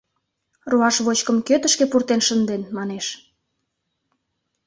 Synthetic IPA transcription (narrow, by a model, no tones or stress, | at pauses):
ruɑʃβot͡ɕkəmkøt̪ə̆ʃkepurt̪enʃənd̪enmɑneʃ